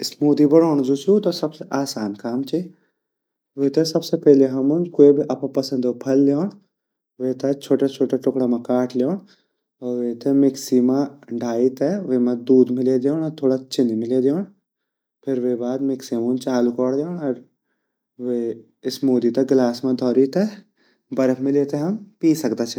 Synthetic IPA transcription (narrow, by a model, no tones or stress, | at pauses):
ɪsmoːd̪ibɐɽoːɳ̃zusut̪osɐbseʔaːsaːnkaːmt͡ʃʰi | ʋeːt̪ɐsɐbsepɛːleɦɐmunkoːibʱiʔɐpãpɐsɐ̃nd̪opʰɐlːjoːɳ̃ | ʋeːt̪ɐt͡ʃʰoːʈat͡ʃʰoːʈaʈʊkɽamãkaːʈʰljoːɳ̃ | ɔːʋeːt̪ʰemeksimãɖʱaːit̪ɛʋemãd̪uːd̪mɪled̪joːɳɔːɾt̪ʰoːɽat͡ʃɪnmɪled̪oːɳ | pʰɪɾʋeːbaːd̪mɪksiɐmunt͡ʃaːlukɔːɽd̪joːɳɔːɾ | ʋe | ɪsmoːd̪it̪ɐɡlaːsmãd̪ʱɔːɾit̪ɛ | bɐɾəkʰmɪ̃leːt̪eɦɐmpiːsɐkd̪at͡ʃʰ